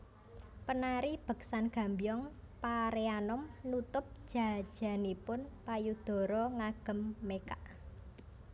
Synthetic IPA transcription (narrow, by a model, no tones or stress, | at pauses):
pənaɾib̥ə̤ksanɡ̥a̤mbijɔŋpaɾeanɔmnut̪ʊp̚ʒ̥a̤d̥ʒ̥a̤nipʊnpajud̪̥ɔ̤ɾɔŋaɡ̥ə̤mːekaʔ